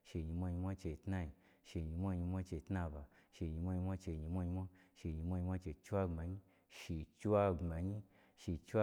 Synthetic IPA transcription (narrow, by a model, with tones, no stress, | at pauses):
ʃe˧˨ɲi˧mʷa˧ɲi˧mʷa˦t͡ʃe˧tna˧ji˧ | ʃe˧ɲi˧mʷa˦˧ɲi˧mʷa˦t͡ʃe˧tna˧˨ba˧ʃe˧˨ɲi˧mʷa˦ɲi˧mʷa˦t͡ʃe˧ɲi˧mʷa˦˧ɲi˧mʷa˦ʃe˧˨ɲi˧mʷa˦ɲi˧mʷa˦t͡ʃe˧˨˧t͡ʃu˦a˧ŋ͡ma˧ɲi˦ | ʃi˧t͡ʃi˦wa˧ɡ͡ba˨ɲi˦ | ʃi˧t͡ʃu˦a˦